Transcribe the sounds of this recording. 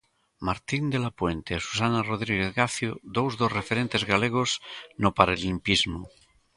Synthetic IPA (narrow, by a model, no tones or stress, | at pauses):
maɾt̪ind̪elapwent̪esu̥sanaroð̞ɾiɣ̞eθɣaθjod̪owzðosrefeɾent̪ezɣaleɣ̞osnopaɾelimpizmu